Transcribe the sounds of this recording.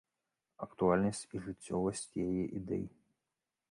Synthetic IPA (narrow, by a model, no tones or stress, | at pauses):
ɐkt̪ualʲnɐsʲt͡sʲiʐɨt͡sʲːɔvɐsʲt͡sʲjajɛʔid̪ɛ̰ji